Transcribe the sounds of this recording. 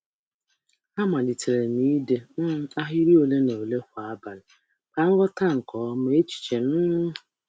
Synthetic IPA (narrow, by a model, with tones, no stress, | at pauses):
a˦ma˨li˨te˨ɾe˨ni˦de˦n̩˦a˦ɦɪ˦ɾi˦o˨le˦no˨le˦kʷa˨a˦ba˨lɪ˨ | ka˨ŋ̩˦ɡɔ˦ta˦ŋ̩˨kɔ˨˦m˦e˦t͡ʃi̥˨t͡ʃe˨m̩˦